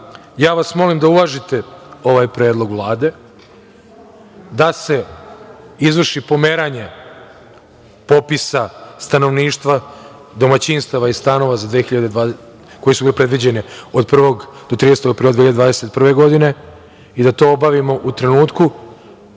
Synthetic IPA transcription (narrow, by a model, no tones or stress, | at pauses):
jaːʋasmo̞limd̪aulaʒit̪e̞o̞ʋaːjpɾeːd̪lˠo̞ɡʋlˠaːd̪e̞ | d̪ase̞ | izʋr̩ʃipo̞me̞ɾaɲe̞ | po̞pisast̪ano̞ʋniːʃt̪ʋa | d̪o̞mat͡ɕinst̪aʋaist̪ano̞ʋazad̪ʋeːçiʎad̪ed̪ʋa | ko̞jesubilepɾe̞d̪ʋid͡ʑe̞neod̪pr̩ʋo̞ɡd̪̥ot̪ɾinest̪o̞ɡapɾild̪eiʎad̪vad̪eset̪̚pr̩ʋe̞ɡo̞d̪ine̞ | id̪at̪o̞ːobaʋimo̞ʔut̪ɾe̞nuːt̪ku